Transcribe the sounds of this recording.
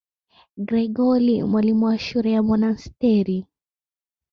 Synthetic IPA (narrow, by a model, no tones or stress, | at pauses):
ɡɾɛɡɔlimwalimuwaʃuɾɛjamɔnanstɛɾi